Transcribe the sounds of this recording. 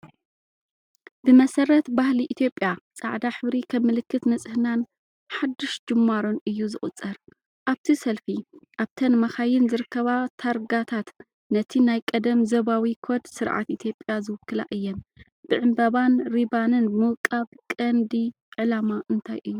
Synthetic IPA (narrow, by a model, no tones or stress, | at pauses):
b̥ɨmɐsɐɾɐt̪bahliʔit̪ʰjo̞pʼːjasʼa̰ʕd̪aħɨβɾikʰɐmːɨlɨkːɨt̪nɐt͡sʼɨhɨnan | ħad̪ːɪʃd͡ʒɨmːaɾonʔɨjːuzɨχʼɨt͡sʼːɐɾ | ʔaβt̪ʰisɐlfiʔaβt̪ʰɐnmɐxajɪnzɨɾɨkːɐβat̪ʰaɾɡat̪ʰat̪ | nɐt̪ʰinajkʼɐd̪ɐmzɐβawikʰod̪sɨɾʕa̰t̪ʔit̪ʰjo̞pʼːjazɨwʊkʰːɨla̰ʔɨjːom | b̥ɨʕɨmbɐβanɾibanɨnmɨwkʼaβkʼɐnd̪i | ʕɨlamaʔɨnt̪ʰajʔɨjːu